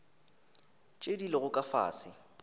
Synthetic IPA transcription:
t͡ʃʼedileɣʊkʼafa̰ːsɪ

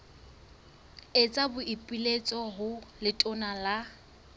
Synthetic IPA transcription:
et͡sʼabʊʔipʼilet͡sʼɔɦʊlɪtʼʊnala

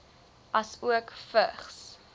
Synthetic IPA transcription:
ɐsuəkfəχs

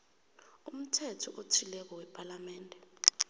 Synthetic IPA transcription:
um̩tʰɛtʰɔʔotʰilɛk̬ɔwɛpʼalamɛːndʱɛ

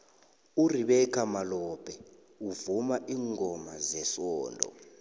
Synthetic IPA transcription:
uriɓɛkʰamalɔb̥ʱɛ | uvumaʔiːŋʱɔmazɛsɔːndʱɔ̰

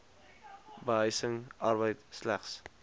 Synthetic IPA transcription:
bəɦəjsəŋʔɑrbəjtslæ̰χs

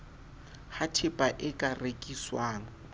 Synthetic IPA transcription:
hatʰɪpʼaʔɪkʼarekʼiswaːŋɔ

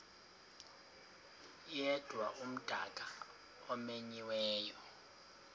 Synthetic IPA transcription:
jɛd̥ʱwaʔum̩d̥ʱaɡ̥ʼʱa | ɔmeɲiwɛːjɔ

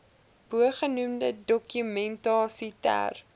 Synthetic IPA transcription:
b̥uəχənumdədɔkymɛntɑːsitæ̰r

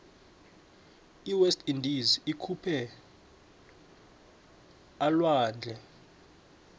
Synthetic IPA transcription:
iwɛstʰʼindizikʰupʰɛ | alwaːnd͡ɮʱɛ

